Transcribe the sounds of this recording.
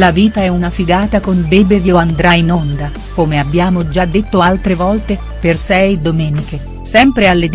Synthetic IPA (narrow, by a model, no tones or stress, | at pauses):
laviːt̪aɛunafiɡaːt̪akonbebevjoand̪ɾainond̪a | komeabːjaːmod͡ʒad̪ːet̪ːoalt̪ɾevɔlt̪e | persɛjd̪omɛːnike | sɛmpɾealːed̪